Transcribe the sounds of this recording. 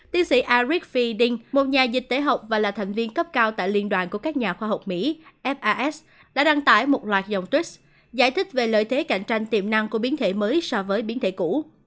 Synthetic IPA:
t̪i˨˦ənsḭ˧˥ʔaː˧zi˦˥k̚fi˧ɗi˧ŋmo˨˩t̚ɲaː˨˩zï˨˩k̟̚t̪e˨˦ɦə˨˩wk͡p̚vaː˨˩laː˨˩t̪ʰa˨˩jŋ̟vi˧ənkə˦˥p̚kaː˧wt̪a̰ː˧˨jli˧ənɗwa̰ː˧˨nku˧˩əkaː˦˥k̚ɲaː˨˩xwaː˧˩ɦə˨˩wk͡p̚mḭ˧˥ʔɛ˦˥p̚ʔaː˧ʔɛ˦˥s | ɗa̰ː˧˥ɗa˧ŋt̪a̰ː˧˩jmo˨˩t̚lwaː˨˩t̚za˨˩wŋ͡mt̪wi˦˥ | za̰ː˧˩jt̪ʰï˦˥k̚ve˨˩lə̰ː˧˨jt̪ʰe˨˦ka̰˧˩jŋ̟t͡ɕa˧jŋ̟t̪i˨˩əmna˧ŋku˧˩əɓi˨˦ənt̪ʰḛ˧˩məː˨˦jsɔ˧vəː˨˦jɓi˨˦ənt̪ʰḛ˧˩kṵ˧˩˥

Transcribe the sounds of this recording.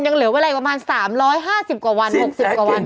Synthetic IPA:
ja˧ŋlɯ˩˦weː˧la˧pmaː˧nsaː˩˦mɾɔː˦˥jɦaː˥˩si˨˩p̚kwaː˨˩wa˧nho˨˩k̚si˨˩p̚kaː˨˩wa˧n

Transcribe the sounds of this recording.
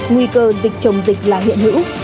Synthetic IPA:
ŋwi˧kəː˧zï˨˩k̚t͡ɕə˨˧˩wŋ͡mzï˨˩k̟̚laː˨˩ɦḭ˧˨ənhɨ̰˧˥w

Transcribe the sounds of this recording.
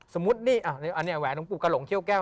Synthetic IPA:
so˩˦mːu˦˥t̪̚niː˥˩ʔaː˧˩ni˦˧˩ʔa˧nːiː˦˥˩wɛː˨˦no˧˦ŋpu˨˩ka˧lo˨˩˦ŋt̪ʰi˥˩əwkɛː˥˩

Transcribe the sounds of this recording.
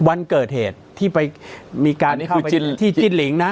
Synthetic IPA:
wa˧nkɤː˨˩t̪̚heː˨˩t̪ʰːiː˥˩pa˧jmiː˧kaː˧nkʰa˥˩˧wpa˧i˥˩t̪ʰiː˥˩t͡ɕt͡ɕi˥˩nli˩˦ŋna˦˥

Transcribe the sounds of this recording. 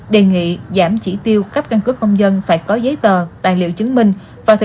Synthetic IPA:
ɗe˨˩ŋḭ˧˨zaː˧˩mt͡ɕi˧˩t̪i˧əwka˦˥p̚ka˧nkɨ˦˥ək̚kə˧wŋ͡mzə˧nfaː˧˩jkɔ˨˦zə˨˦jt̪əː˨˩t̪a̰ː˧˨jlḭ˧˨əwt͡ɕɨ˨˦ŋmï˧ŋ̟ | vaː˨˩t̪ʰɨ˨

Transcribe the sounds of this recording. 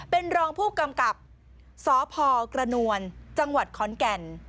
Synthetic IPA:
pe˧nɾɔː˧ŋpʰuː˥˩ka˧mka˨˩p̚ | sɔː˨˩˦pʰɔː˧kɾa˧nu˧ənt͡ɕa˧ŋwa˨˩t̪̚kʰɔː˨˦nkɛ˧n

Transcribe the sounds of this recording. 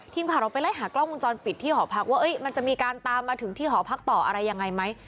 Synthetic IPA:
t̪ʰiː˧ŋpʰaː˨˩wɾa˧wpa˧jla˦˥˩jɦaː˩˦klɔ˥˩ŋwu˧nt͡ɕɔː˧npi˨˩t̪ʰːiː˥˩ɦɔː˩˦pʰa˦˥k̚waː˥˩ʔɤ˦˥jma˧nt͡ɕa˨˩ʔmiː˧kaː˧nt̪aː˧mːaː˧t̪ʰɯ˩˦ŋt̪ʰiː˥˩ɦɔː˩˦pʰa˦˥k̚t̪ɔː˨˩ʔa̰˧ɾa˧jːa˧ŋːa˧jma˦˥j

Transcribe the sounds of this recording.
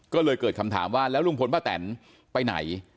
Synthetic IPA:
kɔː˥˩lɤː˧jkɤː˨˩kʰa˧mt̪ʰa̰ː˩˦mwaː˥˩lɛː˦˥wlu˧ŋpʰo˧nbaː˥˩t̪ɛ̰ː˩˦n | pa˧jna̰˩˦j

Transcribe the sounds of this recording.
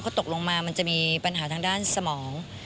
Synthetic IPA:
kʰaː˥˩t̪o˨˩k̚lo˧ŋmaː˧ma˧nt͡ɕa˨˩miː˧pa˧nɦaː˩˦t̪ʰa˧ŋdaː˥˩nsa˧mɔː˩˦ŋ

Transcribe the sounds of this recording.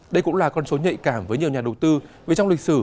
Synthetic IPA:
ɗə˧jkʊ̰˧˥ŋ͡mlaː˨˩kɔ˧nso˨˦ɲə̰˧˨jkaː˧˩mvəː˨˦jɲi˨˩əɲaː˨˩ɗə˨˩wt̪ɨ˧ve˨˩t͡ɕɔ˧wŋ͡mlï˨˩k̟̚sɨ˧˩

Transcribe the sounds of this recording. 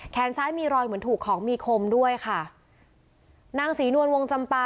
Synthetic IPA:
kʰɛː˩˦nsʰaː˦˥jmiː˧ɾɔː˧jmɯ˩˦nt̪ʰuː˨˩kʰːɔː˩˦ŋmiː˧kʰo˧mdu˥˩əjkʰa˥˩ | naː˧ŋsiː˩˦nu˧ənwo˧ŋt͡ɕa˧mpaː˧

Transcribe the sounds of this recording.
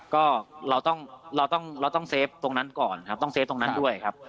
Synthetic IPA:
kɔː˥˩ɾa˧wt̪ɔ˥˩ŋɾa˧wt̪ɔ˥˩ŋɾa˧wt̪ɔ˥˩ŋseː˦˥p̚t̪o˧ŋna˦˥nkɔː˨˩nkʰa˦˥p̚t̪ɔ˥˩ŋseː˦˥p̚t̪o˧ŋna˦˥ndu˥˩əjkʰa˦˥p̚

